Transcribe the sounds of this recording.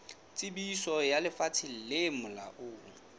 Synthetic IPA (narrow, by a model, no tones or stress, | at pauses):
t͡sʼɪbisɔjalɪfat͡sʰɪl̩lemʊla̰ʔʊː